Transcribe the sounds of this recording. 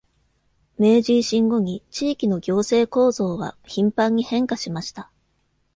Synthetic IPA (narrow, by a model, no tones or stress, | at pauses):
me̞ːʑiːɕĩŋɡo̞ɲ̟it͡ɕiːkʲino̞ɡʲo̞ːse̞ːko̞ːzo̞ːβa̰çĩmpãɲ̟ːihẽ̞ŋkaɕimaɕi̥t̪a